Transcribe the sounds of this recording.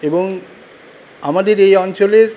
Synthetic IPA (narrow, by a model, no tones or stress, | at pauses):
eboŋ | amad̪eɾejɔnt͡ɕoleɾ